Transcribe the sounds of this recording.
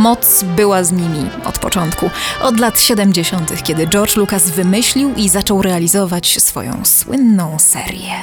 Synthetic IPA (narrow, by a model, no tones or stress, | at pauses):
mɔt̪sbɘwazɲimʲiɔ̰t̪pɔt͡ʂɔnt̪kuʔɔd̪lat̪ɕɛd̪ɛmd͡ʑeɕɔnt̪ɘxkʲɛd̪ɘd͡ʐɔɾt͡ʂlukasvɘmɘɕlʲiwizat͡ʂɔwɾɛalʲizɔvat͡ɕsfɔ̰jɔ̰̃w̃swɘ̰nːɔ̃w̃sɛ̰ɾjɛ